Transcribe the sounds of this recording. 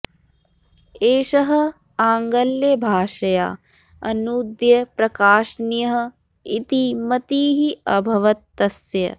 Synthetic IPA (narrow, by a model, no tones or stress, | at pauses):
eːʃɐɦɐ̆ | aːŋɡɐljɐbʱaːʂɐja̰ː | ɐnuːd̪jɐpɾɐkaːʃnjɐɦɐ̆ | it̪imɐt̪iːɦiɐbʱɐʋɐt̪ːɐsjɐ̰